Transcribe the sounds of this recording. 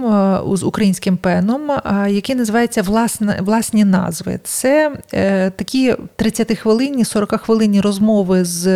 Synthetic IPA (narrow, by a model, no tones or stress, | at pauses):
zʊkɾɐjinʲsʲkɪmpɛnɔmjɐkʲinɐzɪʋɑjet͡sʲːɐʋlˠɑsʲnʋlˠɑsʲnʲinɑ̰zʋɪ̰t̪sɛ | t̪ɐkʲit̪ɾɪt͡sʲːɐt̪ɪxʋɪlˠɪnʲisɔɾɔkaxʋɪlˠɪnʲːirɔzmɔʋɪz